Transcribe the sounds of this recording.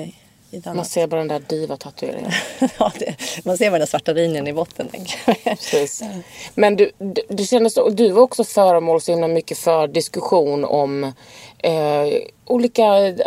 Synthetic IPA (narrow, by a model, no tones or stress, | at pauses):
manseːɾbɑːɾad̪ɛnd̪æːɖiːvat̪ʰat̪ʰːɵḛːɾɪ̰ŋə̰nɑd̪ɛmanseːɾaɾɛnd̪æːsvaʈːaɾiːnənɪbɔt̪ʰːənt̪ʰɛ̰ŋkmpɾɛsiːsmɛnd̪ɵd̪d̪ɵɕɛnd̪əsd̪ɵvaɾɔksɔfœːɾəmoːlsɔhɪmlamʏkːəfœɖɪskɵɧuːnɔm | uːliːka